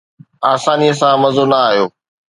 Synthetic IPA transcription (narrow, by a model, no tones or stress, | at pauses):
aːsaːnijəs̬ãmɐzonɐaːɦijoː